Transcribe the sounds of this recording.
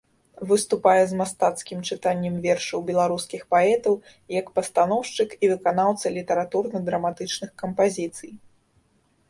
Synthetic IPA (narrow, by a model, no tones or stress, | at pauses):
vɨst̪upajɛzmast̪at̪skʲimt͡ʂɨt̪anʲːɛmvʲɛrʂɐwbʲɛlˠaɾuskʲixpaɛt̪ɐw | jɐkpɐst̪anɔwʂt͡ʂɨkivɨkanawt̪sɐlʲit̪ɛɾat̪urnɐd̪ɾɐmat̪ɨt͡ʂnɨxkɐmpazʲit̪sɨj